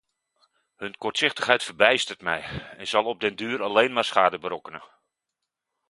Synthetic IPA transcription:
hɵnkɔɹtsɪχtəχɦɛjtfərbɛjstərtmɛ̰jɛnzɑlˠɔb̚dɪndyːɾalejnmaːrsχaːdəbəɾɔkənə

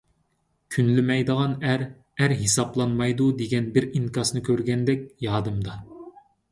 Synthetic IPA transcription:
kʲʰynlymɛjd̪əʁɑnæɾ | æɾɦesɑplˠɑnmɑjd̪ud̪eɡʲɛnbɪɾiŋkɑsnɨkʲʰøɾɡʲɛnd̪ɛkʲjɑːd̪ɨmd̪ɑ

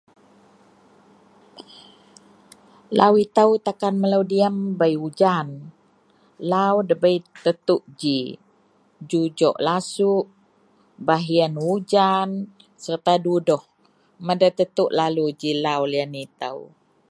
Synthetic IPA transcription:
la̰wit̪əwt̪akanməlawdiəmbəjud͡ʒan | lawdəbəit̪ət̪uʔd͡ʒi | d͡ʒud͡ʒɔ̰ʔlasuʔ | baɦiənwud͡ʒan | sərt̪adudɔh | mədat̪ət̪uʔlalud͡ʒilawlianit̪ə̰w

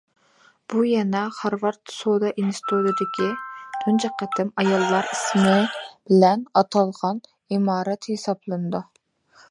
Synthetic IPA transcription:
b̥ujɛnɛχɑɾvɑɾt̪sod̪ɑʔinsɪ̥t̪ʰud̪ɨd̪ɪkʲʰid̪̥ʰund͡ʒɑqʰːæt̪ʰɪmɑjɑlˠːɑɾismɪb̥ɪlɛnɑt̪ʰɑlˠʁɑn | imɑːɾɛt̪hesɑblˠɨnɨd̪u

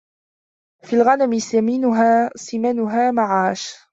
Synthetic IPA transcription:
fiːlɣanamɪsamiːnʊɦaːsɪmanʊɦaːmaʕaːʃ

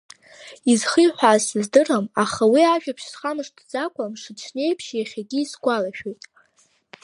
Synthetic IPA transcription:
izχijħʷaːsɨzdɨramaχawiaʒᶣapʰʃsχamɨʂtʰd͡zakʷʰʼamʂɨt͡ʃʰne̞jpʰʃjaχʲaɡʲiːsɡʷalaʃᶣojtʼ

